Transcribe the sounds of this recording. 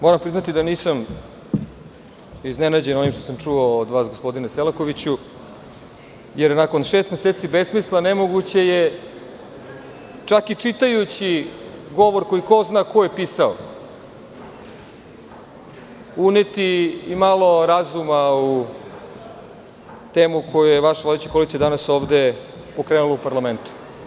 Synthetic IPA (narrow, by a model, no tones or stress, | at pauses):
mo̞ɾampɾiznat̪id̪aniːsam | iznenad͡ʑe̞no̞nimʃt̪o̞samt͡ʂuoːd̪ʋaːsɡospo̞d̪ineselako̞ʋit͡ɕu | jeɾnako̞nʃest̪meseːt̪sibesmislˠanemo̞ɡut͡ɕe̞je | t͡ʂakit͡ʂit̪ajut͡ɕiɡo̞ʋo̞ɾko̞ikoznaːko̞jepiːsao̰ | unet̪iːmalˠo̞ɾazumau | t̪e̞ːmukʰo̞jujeʋaʃʋlad̪et͡ɕi̥ko̞lised̪anaso̞ːʋd̪e̞ | po̞kɾeːnuloupaɾlame̞nt̪u̥